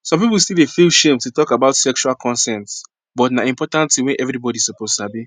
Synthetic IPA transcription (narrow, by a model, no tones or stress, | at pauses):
sɔ̃mpipulˠstilˠefilˠʃẽmtutɔkabaʊtsɛkʃualkʰɔ̃nsɛ̃nts | bɔtnaĩmpɔtãntiwɛ̃nʔɛvɹibɔɾisɔpoztabi